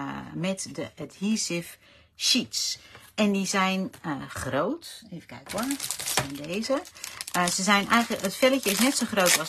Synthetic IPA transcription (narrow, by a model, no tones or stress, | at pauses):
mɛtdəəthisɪf | ʃitsɛndizɛjnxroːteːvə̥kʰɛ̰jkwɔnsɛjndeːzə | səzɛjnʔɛ̰jɣləətfɛləcəɪsnɛtsoxroːtɔs